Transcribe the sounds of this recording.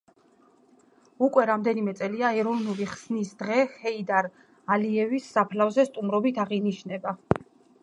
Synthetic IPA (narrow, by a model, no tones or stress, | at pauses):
ukʼwɛɾamd̪ɛnimɛt̪sʼɛliaɛɾɔvnuliχsnisd̪ʁɛhɛid̪aɾ | aliɛvisːapʰlavzɛst̪ʼumɾɔbit̪ʰaʁiniʃnɛba